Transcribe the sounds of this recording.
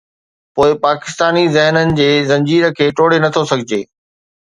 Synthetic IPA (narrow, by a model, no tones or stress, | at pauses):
poːɪpaːkɪ̥st̪aːnizɪɦnənɪ̆d͡ʑeːzɐ̃ɲd͡ʑiːɾə̆kʰeːʈoːɽenɐt̪ʰosɐɡʱɪd͡ʑeː